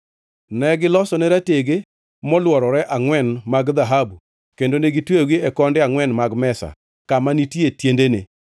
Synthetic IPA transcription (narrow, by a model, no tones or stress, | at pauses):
nɛɡɪlɔsɔnɛɾateɡe | mɔlwɔɾɔɾɛʔaŋwɛnmaɡðaɦabu | kendoneɡitweɡiɛkɔndɪaŋwɛnmaɡmɛsa̰ | kamanitjetjendene